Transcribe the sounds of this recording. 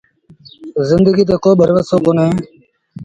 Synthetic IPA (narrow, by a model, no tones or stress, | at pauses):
zɪnd̪əɡiːt̪̬eːkoːɓəɾʋəsoːkoːnɦẽː